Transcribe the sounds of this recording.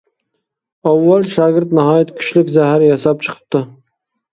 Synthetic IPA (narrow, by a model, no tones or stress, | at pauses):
awːalˠʃɑɡʲɪɾt̪naɦɑːjat̪kʲʰʊ̥ʃlɪkʲzæɦæɾjɑsɑp̚t͡ʃʰə̥qʰə̥p̚t̪ɪ